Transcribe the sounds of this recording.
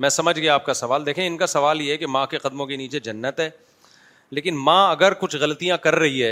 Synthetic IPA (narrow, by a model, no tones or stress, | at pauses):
mɛ̃ːsɐməd͡ʒʱɡɐjaːp̚kasɐʋaːld̪eːkʰẽɪnkasɐʋaːljeɦɛkemãːkeqɐd̪mõkeniːt͡ʃed͡ʒɐnːət̪ɦɛː | leːkɪnmãːɐɡəɾkʊt͡ʃʰɣɐlt̪ijãkɐɾːɐɦiɦɛː